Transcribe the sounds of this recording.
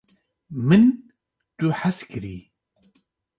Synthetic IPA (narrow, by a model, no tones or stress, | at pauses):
mɨn | t̪uħaskʰɨɾḭː